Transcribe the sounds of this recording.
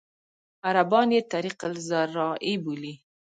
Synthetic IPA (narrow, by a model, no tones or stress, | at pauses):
aɾabɑnet̪aɾiqəlzaɾɑʔibuli